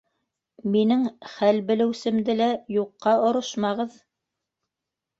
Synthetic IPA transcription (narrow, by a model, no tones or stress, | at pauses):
minɘŋχælbɘ̆lɘ̆wsɘ̆md̪ɘlæjuqːɑŏɾɤʃmɑʁɤð